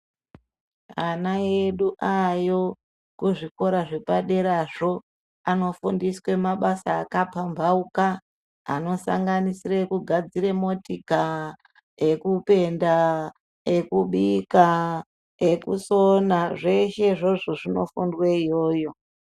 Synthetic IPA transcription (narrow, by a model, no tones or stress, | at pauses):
anaeɗuʔajo̞ | kuʐiko̞ɾaʐe̞paɗe̞ɾaʐo̞ː | no̞fundiswe̞maɓasaːkapambʱauka̰ː | no̞sa̰ŋɡanisirekuɡʱad͡ziremo̞tika | ekupe̞nda | e̞kuɓika | ekusonaʐe̞ʃe̞ʐo̞ʐoʐino̞̰fundweijo̞ːjo̞